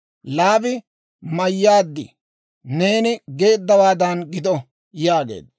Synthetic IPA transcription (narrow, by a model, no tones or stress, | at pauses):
laːbɪ | mɐjːaːd̪ːɪ̰ | ne̞ːnɪɡe̞ːd̪ːɐwaːd̪ɐnɡɪd̪ɔ | jaːɡḛːd̪